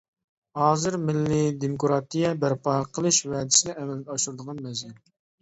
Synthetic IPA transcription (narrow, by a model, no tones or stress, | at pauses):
hɑːzɨɾmɪlːɪd̪emukʰɾɑt̪ijɛbæɾpɑqʰəlˠɨʃvɛːd̪ɪsɪd̪ɛɛmɛlɡ̪ʲɛɑʃuɾd̪əʁɑnmɛzjɛn